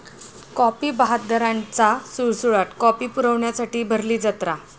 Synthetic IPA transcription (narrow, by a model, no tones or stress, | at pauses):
kɔpiːbaɦat̪̚d̪ʱəɾãnt͡sasuɭsuɭat̪kɔpiːpuɾəʋɳjasaʈiːbʱəɾliːd͡zət̪ɾa